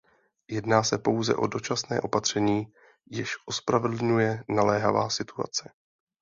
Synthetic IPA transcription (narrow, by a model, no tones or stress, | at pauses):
jɛdnaːsɛpo̞wzɛ̰ʔo̞do̞t͡ʃasnɛ̰ːʔo̞pat̪r̝̥ɛɲiː | jɪʃʔo̞spɾavɛdl̩ɲujɛnalɛːɦava̰ːsɪt̪ua̰t͡sɛ